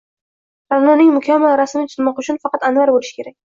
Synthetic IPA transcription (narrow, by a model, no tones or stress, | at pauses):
ɾaɾnanɪŋmʊkʲʰamːalɾasɪmɪt͡ʃʰɪlmɒqʊt͡ʃʰʊnfɑqʰɑt̪anwaɾbolɪʃɪ̥kʲe̞ɾakʲ